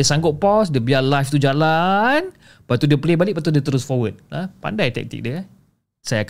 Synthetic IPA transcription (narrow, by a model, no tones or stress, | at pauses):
əsaŋɡʊt̪̚pɔsdəbialajft̪ud͡ʒalan | pat̪udiəplebalɪk̚pat̪udiət̪əɾʊsfɔwət̪̚apa̰ndajt̪ɛ̰k̚t̪ḭk̚diə | sajak